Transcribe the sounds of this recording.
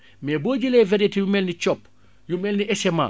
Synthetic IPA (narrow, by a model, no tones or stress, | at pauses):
meboːɟilevɛɾetijumɛlnit͡ʃɔpː | jumeːlniʔɛsɛma̰